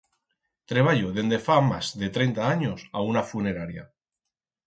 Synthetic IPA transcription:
t̪ɾe̞β̞aʎoðe̞nd̪e̞famazðe̞t̪ɾejnt̪aaɲosaunafune̞ɾaɾja̰

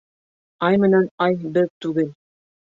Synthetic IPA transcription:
ɑjmɘ̆nænɑjbɘðt̪ʉɡɘl

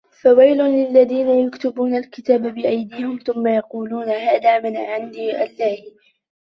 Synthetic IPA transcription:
fawajlʊlɪlːaðiːnajakt̪ʊbuːnalkɪt̪aːbabɪʔajd̪iːhɪmθʊmːajɑquːluːnaɦaːðaːmanaʕand̪iːʔalːaːh

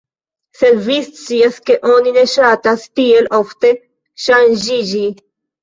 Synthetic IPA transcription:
seɾviːssiɐskeʔoːnineʃaːt̪ast̪iːelɔft̪e | ʃãnʑid͡ʑi

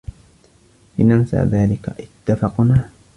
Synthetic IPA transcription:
lɪnansa̰ʕðaːlɪka̰ʔɪt̪ːafɑqnaː

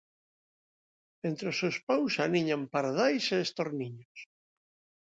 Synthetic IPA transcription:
ent̪ɾesospawsaniɲampaɾðajseːst̪oɾniɲos

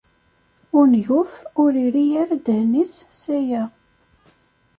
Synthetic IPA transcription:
ʊɾnʝʊfʊɾiɾijaɾad̪ənissæjæ

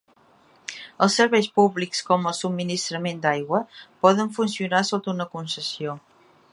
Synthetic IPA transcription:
əlˠsəɾβɛjspuβlikskɔməlˠsub̚minist̪ɾəmend̪ajɣwəpɔðəɱfunsiunasot̪unəkunsəsio

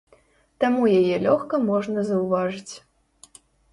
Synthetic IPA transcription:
t̪amujajɛlʲɔxkɐmɔʐnɐzɐwvaʐɨt͡sʲ

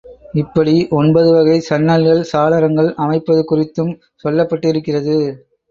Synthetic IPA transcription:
ɪpːɐɽiʔɔnbɐðɯʋɐɣɐɪsɐnːɐlɣɐɭsaːlɐɾɐŋɡɐɭɐmɐɪpːɐðɯkʊrɪt̪ːɯm | sɔlːɐpːɐʈːɪɪɾɯkːɪrɐðɯ

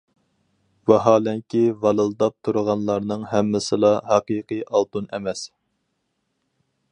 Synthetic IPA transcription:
vɑɦɑːlɛŋkʲʰivɑlˠɨlˠd̪ɑp̚t̪ʰuɾəʁɑnlˠɑɾnɨŋɦɛmːɪsɨlˠɑɦɑqiːqɨjʔɑlˠt̪unɛmɛs

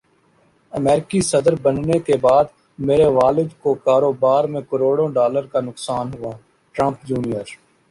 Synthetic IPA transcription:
əmɛːɾɪkisɐd̪əɾbənnekebaːd̪ | meːɾeʋaːlɪd͡ʒ̪kokaːɾoːbaːɾmẽkəɾoːɽõɖaːləɾkanʊksaːnɦʊaː | ʈɾə̃mpd͡ʒuːnijəɾ

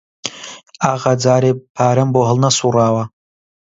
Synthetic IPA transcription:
aʁad͡zaːɾipʰaːɾɨmboɦəlnasuraːwa

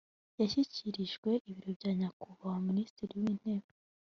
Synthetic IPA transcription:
jaçiciɾiʒɡwe̞ʔiβiɾobɟaːɲakuβaoministiɾiwiːn̥e̞ːβa

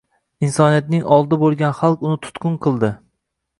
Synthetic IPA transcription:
insɒnijat̪̚nɪŋɒlˠd̪ɪbolˠɡʲanχalˠqʊnɪt̪ʰʊ̥t̪kʊnqʰɨlˠd̪ɪ

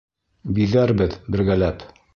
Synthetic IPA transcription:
biðæɾbɘðbɘ̆ɾɡælæp

